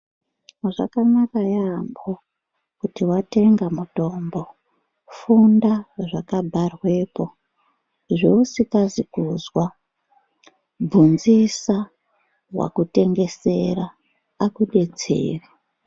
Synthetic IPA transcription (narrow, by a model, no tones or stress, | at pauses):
ʐa̰kanakajambo | kutiwate̞ŋɡamuto̞mbo̞ | fundaʐakabʱarwe̞po̞ | ʐeusikazikuzwa | bʱunzisa | wa̰kute̞ŋɡe̞se̞raː | kuɗe̞d͡ze̞̰ːra